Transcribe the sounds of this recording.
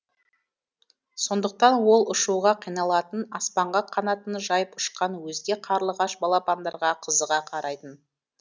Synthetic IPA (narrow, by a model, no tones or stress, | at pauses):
so̞nd̪əq̚t̪ɑnwo̞lˠʊʃuʁɑqʰijnɑlˠɑt̪ənɑspɑɴʁɑqʰːɑnɑt̪ənʒɑjəpʊʃqɑnwɵzd̪e̞qʰɑɾlˠəʁɑʃbɑlˠɑpɑnd̪ɑɾʁɑqʰəzəʁɑqʰɑɾʔɑjt̪ən